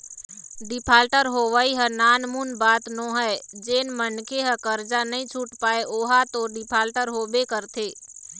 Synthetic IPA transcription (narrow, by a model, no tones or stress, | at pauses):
ɖɪpʰaːlʈəɾɦoʋaːiɦənaːnmunbaːt̪nõɦəed͡ʒeːnmənkʰeɦəkəɾd͡ʒanəɦĩt͡ʃʰuːʈpaːeʔoːɦat̪oɖɪpʰaːlʈəɾɦoːbekəɾt̪ʰeː